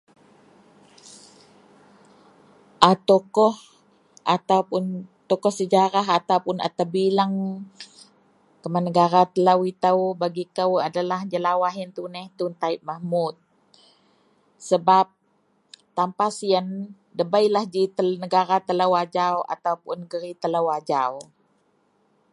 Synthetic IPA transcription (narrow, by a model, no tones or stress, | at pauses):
ʔat̪okɔh | ʔat̪awpʊnt̪ɔkɔhsəd͡ʒaɾaɦat̪awpʊna̰t̪abilaŋ | kəmanəɡaɾat̪əlawit̪awbaɡikəwadalahd͡ʒəlawaɦjənt̪unɛht̪unt̪aɪʔ̚mahmʊt̪̚ | səbap̚ | t̪ampasiən | dəbajlahd͡ʒit̪ənəɡaɾat̪əlawad͡ʒawa̰t̪awpʊnːəɡəɾit̪əlawad͡ʒaw